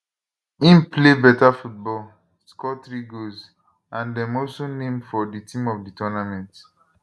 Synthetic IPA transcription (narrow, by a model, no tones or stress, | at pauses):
ĩmplebɛtafut̚bɔl | skɔtɾiɡoz | ãndɛ̃mɔlsonẽmfɔditĩmɔfditɔnamɛ̃nt